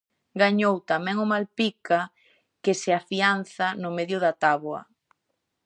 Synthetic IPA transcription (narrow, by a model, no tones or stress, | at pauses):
ɡaɲowt̪amɛ̃ŋʊmalpika | kɪsɪafianθanʊmeðjʊðat̪aβwɐ̰